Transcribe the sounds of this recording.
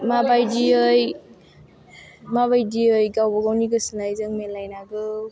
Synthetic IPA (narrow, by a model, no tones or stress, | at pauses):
mabajdiɯj | maβajdiɯjɡawbɔɡawniɡɯsɯnajzɯŋmenlajnaɡɯ